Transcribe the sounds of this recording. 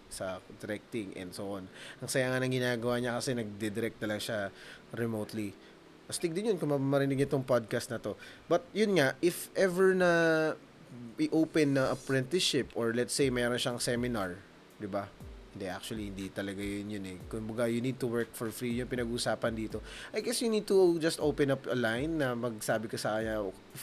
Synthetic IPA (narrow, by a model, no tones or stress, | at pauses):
sɐd̪ɛɾɛk̚t̪ɪŋʔɛ̰nd̪soʔonʔɐŋsɐjaːŋɐnɐŋɡɪnaːɡɐwaːɲɐkɐsɛnɐɡ̚d̪ɛd̪ɛɾɛk̚t̪ːɐlɐŋʃaɾɛmot̪li | pɐst̪ɪɡ̚d̪ɪnjonkʊŋmɐmɐɾɪnɪɡ̚nɪt̪oŋpad̪̚kɐst̪nɐt̪o̞bɐt̪̚jʊnŋaʔɪfʔɛvɛɹnɐ | ʔɪʔowpɛnːɐŋʔɐpɹɛ̃nt̪ɪʃɪpoɹlɛt̪sejmɛɾonʃɐŋsɛmɪnaɹ | d̪ɪbahɪnd̪ɛʔa̰k̚t͡ʃʊwɐlihɪnd̪it̪ɐlɐɡajʊnjʊnɛkʊŋbʊɡajʊnid̪̚t̪ʊwɛɹk̚fɔɹfɹijʊnpɪnɐɡuːsaːpɐnd̪iːt̪o̞ʔɐjɡɛsjʊnid̪̚t̪ʊd͡ʒɐst̪ʔowpɛ̃napɐlajnːɐmɐɡ̚saːbɪkɐsɐkɐɲɐo